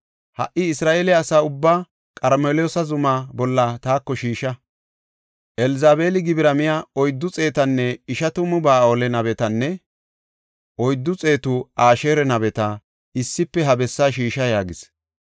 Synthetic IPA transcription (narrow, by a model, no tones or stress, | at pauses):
hɐ̰ʔɪɪsɾaːʔeːlɪɐsaːʊbːaː | kʼɐɾmeljoːsɐzʊmaːbɔlːɐt̪aːkːɔʃiːʃɐ | ʔɛlɪzaːbe̞ːlɪɡɪbɪɾɐmɪjaɔjd̪ːʊt͡sʼe̞ːt̪ɐnːɛɪʃɐt̪ʊmʊbaːoːlɛnɐbɛt̪ɐnːɛ | ʔɔjd̪ːʊt͡sʼe̞ːt̪ʊaːʃeːɾɛnɐbɛt̪ɐ | ɪsːɪpːɛɦɐbɛsːaːʃiːʃɐjaːɡɪs